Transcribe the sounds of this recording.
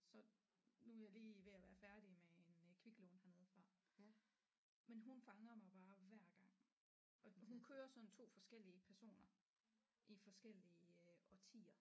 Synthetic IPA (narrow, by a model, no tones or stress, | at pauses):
sɒ̽ | nujɑ̈ɪliːʋe̝æʋæɐfæɐd̥imee̝nkʰʋiɡ̥loːnhæɐne̝ð̩ˠfʁɑ̈ː | menɦunfɑ̈ŋɐmɑ̈ɪb̥ɑ̈ːʋæɐ̰ɡ̥ɑ̈ŋ̰ | ɒ̽ɦunkʰøːɐsɒ̽nt͡sʰo̝̰ːfɒ̽sɡ̥el̰iəpʰæɐso̝̰ːnɐ | ʔifɒ̽sɡ̥el̰iəɒt͡sʰḭːɐ